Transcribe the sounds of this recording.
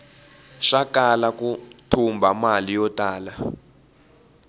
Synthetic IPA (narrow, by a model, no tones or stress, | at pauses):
ʃakʼalak̬ʼutʰumbʱamalijɔtʼaːla